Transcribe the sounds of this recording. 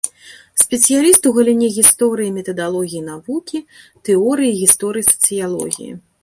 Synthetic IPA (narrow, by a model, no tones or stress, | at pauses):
sʲpʲɛt̪sɨjalʲist̪uɣɐlʲinʲɛɣʲist̪ɔɾɨjimʲɛt̪ɐd̪alˠɔɣʲijinavukʲit̪ɛɔɾɨjiɣʲist̪ɔɾɨjisɐ̥t̪sɨjalˠɔ̰ɣʲḭjḭ